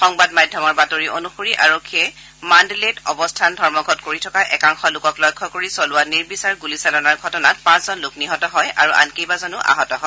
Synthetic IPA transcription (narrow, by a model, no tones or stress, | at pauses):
xɔŋbadmadʱjɔmɔɹbatoɹiʔonuxoɹiʔaɹokʰːiɛ | mandeletɔbɔstʰandʱɔɹmɔɡʱɔtkoɹitʰɔkaʔɛkaŋxɔlʊkɔklɔjkʰːɔkoɹisɔlʊwaniɹbisaɹɡulisalɔnaɹɡʱɔtɔnat̚pãszɔnlʊkniɦɔtɔɦɔja̰ɹuʔa̰nkejbazɔnuʔa̰ɦɔtɔɦɔ